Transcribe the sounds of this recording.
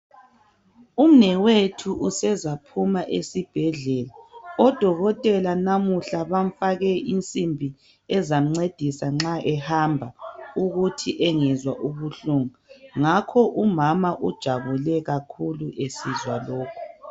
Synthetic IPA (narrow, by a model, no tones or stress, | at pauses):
um̩nɛwetʰuʔusɛzapʰumaʔesib̥ʱɛɮɛlaɔd̥ʱɔɣɔtʼɛlanamuɬaβam̩faɣɛʔint͡sʼimbʱi | ɛzam̩ŋ͡ǀed̥ʱisaŋ͡ǁaʔɛhambʱauɣutʰiʔɛŋɛzwaʔuβuɬuŋaŋakʰɔʔumamaʔud̥ʒ̥ʱaβulɛɣakʰuluʔesizwaloːkʰu